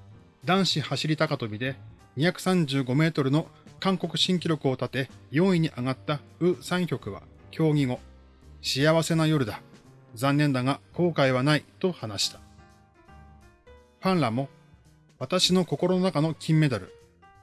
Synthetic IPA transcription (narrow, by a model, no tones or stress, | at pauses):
d̪ãɰ̃ɕihaɕiɾʲit̪akat̪o̞bʲid̪e̞ | ɲ̟içakɯ̟̥sãɲ̟d͡ʑɨːɡo̞me̞ːt̪o̞ɾɯ̟no̞kãŋko̞kɯ̟ɕĩŋk̬ʲiɾʲo̞kɯ̟o̞t̪at̪e̞jo̞ːĩɲ̟iʔaɡat̪ːaɯ̟ːsãɰ̃çʲo̞kɯ̟βa̰ | kʲʰo̞ːŋʲiŋo̞ | ɕiaβase̞najo̞ɾɯ̟d̪a | zãnːẽ̞nd̪aŋako̞ːkaiβ̞anait̪o̞hanaɕi̥t̪ḁ | ɸãɰɾamo̞ | βat̪aɕino̞ko̞ko̞ɾo̞no̞nakano̞kʲʰĩmːe̞t̪aɾɯ̟̰